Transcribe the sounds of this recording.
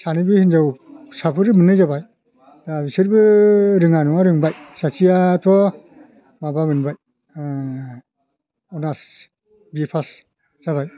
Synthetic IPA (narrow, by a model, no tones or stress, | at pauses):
sanibɯhinzawsapʰɯɾɯmɯnɯjzabaj | d̥abisɯɾbɯɾɯŋanɔwaɾɯŋbajsasʰijatʰɔ | mabamɯnbaj | ɔnas | bipʰas | z̥aβaj